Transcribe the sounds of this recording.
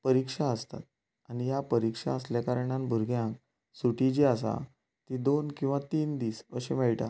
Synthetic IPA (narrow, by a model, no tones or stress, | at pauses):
pəɾikʂaəst̪a̰t̪̚ | aɽ̃ijapəɾikʂa̰əsljakaɾəɳanbʱuɾɡjãk | suʈid͡ʑias̬a̰ | t̪id̪onkĩw̃ʋat̪iːnd̪iːsəɕimeɭʈ̪a